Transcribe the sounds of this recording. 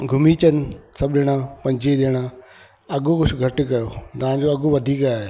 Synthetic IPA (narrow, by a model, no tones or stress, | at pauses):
ɡʱʊmiːt͡ɕənɪ̆sɐbɗɪɽ̃ãːpɐ̃ɲd͡ʑeɗɪɽ̃aː | ɐɠoxʊt͡ʃʰɡʱɐʈɪ̆kɐjot̪ɐãd͡ʑoɐɠoʋɐd̪ʱiːkaːɦeː